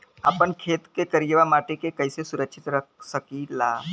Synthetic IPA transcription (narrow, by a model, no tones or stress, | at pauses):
aːpənkʰeːt̪kekəɾijʋamaːʈekekɐɪsesʊɾəkʃʰɪt̪ɾəksəkilaː